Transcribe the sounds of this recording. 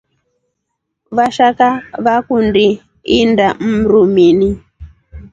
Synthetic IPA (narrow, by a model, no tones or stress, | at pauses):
ʋaʃakaʋakundi | indam̩ɾumini